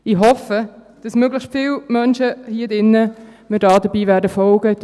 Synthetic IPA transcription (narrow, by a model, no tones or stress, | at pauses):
ɪɦɔfə | d̥ɑsmøɡləʃtfɪːlmœnʃəhiədɪnːəmɪdɑːdəbiːʋæːɾdəfɔlɡ̥ə